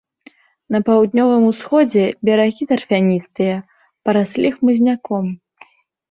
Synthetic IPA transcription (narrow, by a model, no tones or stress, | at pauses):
nɐpawd̪̚nʲɔvɨmusxɔd͡zʲɛbʲɛɾaɣʲit̪ɐrfʲanʲist̪ɨjɐ | pɐɾasʲlʲixmɨzʲnʲakɔm